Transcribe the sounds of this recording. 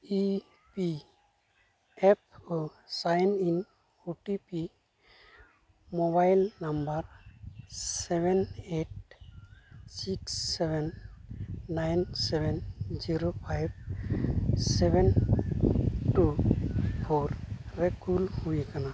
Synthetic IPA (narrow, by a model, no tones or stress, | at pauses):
i | pi | ep̚ʰo | sajnin | uʈipi | mɔβajlnambaɾ | ssebeneʈ̚ | siksɛbɛnː | ajnsɛbɛnziɾopʰajb̚ | sɛben | ʈu | pʰoɾɾekulhujkana